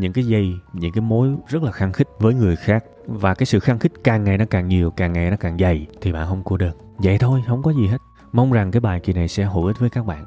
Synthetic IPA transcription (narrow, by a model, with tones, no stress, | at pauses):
ɲɨ̰˧˥ŋkaː˨˦jzə˧jɲɨ̰˧˥ŋkaː˨˦jmo˨˦jzə˦˥t̚laː˨˩xa˧ŋxï˦˥k̟̚vəː˨˦jŋɨ˨˩əjxaː˦˥k̚ | vaː˨˩kaː˨˦jsɨ̰˧˨xa˧ŋxï˦˥k̟̚kaː˨˩ŋːa˨˩jnɔ˨˦kaː˨˩ŋɲi˨˩əwkaː˨˩ŋːa˨˩jnɔ˨˦kaː˨˩ŋza˨˩jt̪ʰi˨˩ɓa̰ː˧˨nhə˧wŋ͡mku˧ɗəː˨˩n | zə̰˧˨jt̪ʰo˧jhə˧wŋ͡mkɔ˨˦zi˨˩ɦe˦˥tt̚ | ma˧wŋ͡mza˨˩ŋkaː˨˦jɓaː˨˩jki˨˩na˨˩jsɛ̰˧˥ɦo̰˧˩ʔi˦˥t̚vəː˨˦jkaː˦˥k̚ɓa̰ː˧˨nʔ